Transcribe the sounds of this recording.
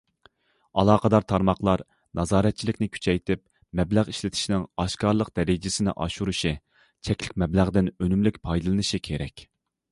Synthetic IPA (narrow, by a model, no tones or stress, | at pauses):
ɑlˠɑːqʰəd̪ɑɾt̪ʰɑɾmɑχlˠɑɾ | nɑzɑːɾɛt̪̚t͡ʃʰilɪkʲnɪkʲʰy̥t͡ʃʰɛjt̪ʰɪp̚ | mɛblæʁiʃlɪt̪ʰɪ̥ʃinɪŋɑʃkɑɾlˠəq̚d̪̥ɛɾɪd͡ʒɪsɪnɪ̰ʔɑ̰ʃuɾuʃi | t͡ʃʰɛkʲlɪkʲmɛblæʁd̪ɪnønymlɪkʲpʰɑjd̪ɨlˠɨnɨʃikʲʰeɾɛkʲ